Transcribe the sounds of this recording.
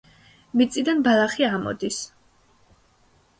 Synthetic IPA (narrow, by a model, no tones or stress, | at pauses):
mit̪sʼid̪anbalˠaχiamɔ̰d̪is